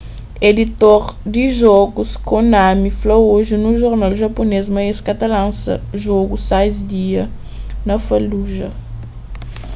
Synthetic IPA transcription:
ed̪it̪oɾd̪iʒɔɡuskõnamiflooʒinuʒoɾnawʒɐponezmɐeskɐt̪ɐlãnsɐ̰ʒoɡusajzd̪iɐ | nɐfɐluʒɐ

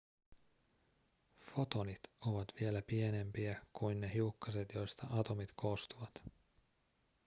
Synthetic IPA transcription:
fo̞t̪o̞nit̪o̞ʋɑt̪ʋie̞læpie̞ne̞mpiækujnːe̞ɦiukːɑse̞t̪jo̞jst̪ɑʔɑt̪o̞mit̪kʰo̞ːst̪uʋɑt̪

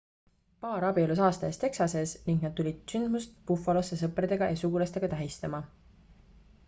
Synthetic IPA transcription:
pɑːɾɑbiolus̬ɑːst̪ɑest̪e̞ksɑse̞sniŋɡnɑd̪̥̚t̪ːulʲid̪̥synd̪must̪̚pufːˑɑlose̞s̬ɤpred̪̥e̞ɡ̥ɑjɑsuɡ̥ulɑst̪e̞ɡ̥ɑt̪æɦist̪ɑmɑ

